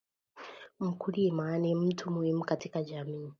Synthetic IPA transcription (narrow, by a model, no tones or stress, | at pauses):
m̩kulimanem̩tʰumuhimukatikad͡ʒamiː